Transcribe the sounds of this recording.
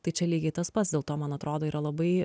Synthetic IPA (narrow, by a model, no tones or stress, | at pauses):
t̪ɐɪt͡ʃʲɛlʲiːɡʲɛɪt̪ɐspɐt̪sdʲeːlˠt̪oːmɐnɐt̪ɾoːd̪oːiːɾʔɐlˠɐbɐɪ